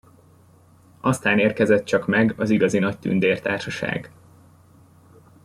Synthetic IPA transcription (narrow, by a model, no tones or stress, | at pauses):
ʔɒst̪aːneːrkɛzɛt̪̚t͡ʃɒkmɛɡɒziɡɒzinɒct̪y̰nd̪eːrt̪aːrʃɒʃa̰ːɡ